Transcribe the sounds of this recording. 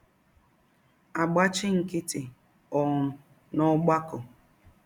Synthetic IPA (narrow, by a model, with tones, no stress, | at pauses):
a˨ɡ͡ba˦t͡ʃɪ˦ŋ̩˨kɪ˦tɪ˨ | ɔ˨ŋ̩˨ | nɔ˦ɡ͡ba˦kʊ˨